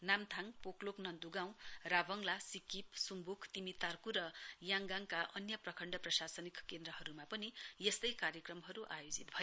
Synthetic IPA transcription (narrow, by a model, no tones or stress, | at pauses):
namt̪ʰaŋpokloknʌnd̪uɡaw̃rabʌŋlasikip̚sumbukʰt̪imit̪ːarkuɾʌjaŋɡaŋkaʔʌnjʌprʌkʰʌɳɖʌprʌsasʌnikkend̪ɾʌɦʌɾumapʌnijest̪ʌjkaɾjʌkrʌmɦʌɾuʔajod͡zit̪bʱʌjo